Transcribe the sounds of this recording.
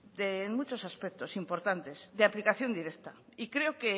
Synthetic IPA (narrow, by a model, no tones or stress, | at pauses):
d̪enmut͡ʃo̞saspek̚t̪o̞simpo̞ɾt̪ant̪e̞sðeaplikaθjo̞nd̪iɾekt̪aikɾe̞oke